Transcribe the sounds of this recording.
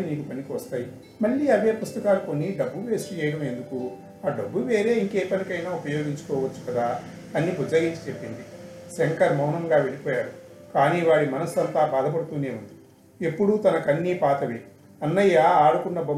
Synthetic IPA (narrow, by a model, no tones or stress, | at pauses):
iniːkupɐnikiʋɐst̪aːji | mɐɭːiːɐʋjɐpust̪ɐkaːluko̞nːiɖɐbːuʋe̞ːsut͡ʃɛːjɐɽɐme̞nd̪uku | aːɖɐbːuʋe̞ːɾe̞ːiŋkeːpɐnikɐjnaːupɐjoːɡiɲt͡ʃu̥kɔːʋɐt͡ʃːu̥kɐd̪aː | ɐnːibud͡ʒaːɡiɲt͡ʃi̥t͡ʃe̞pːind̪iseŋkɐɾmɐwnɐmɡaːʋe̞ɭipɔːjaːɾukaːniʋaːɽimɐnɐsɐnt̪aːbaːd̪ɐp̬ɐɽut̪uːne̞ːund̪i | epːuɽut̪ɐnɐkɐnːiːpaːt̪ɐʋe | ɐnːɐjːaaːɽukunːɐbɐ